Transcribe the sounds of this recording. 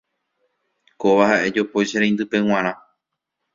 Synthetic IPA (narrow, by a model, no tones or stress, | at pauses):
koʋahaʔe̞d͡ʒopoʃeɾẽj̃nd̪ɨpe̞w̃ãɾ̃ã